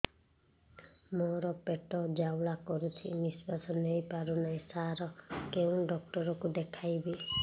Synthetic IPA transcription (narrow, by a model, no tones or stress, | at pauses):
mɔɾɔpeʈɔd͡ʒawlakɔɾut͡ʃʰḭnisbasɔnejpaɾunajsaɾɔkeũɖɔk̚ʈɔɾɔkud̪ekʰajbe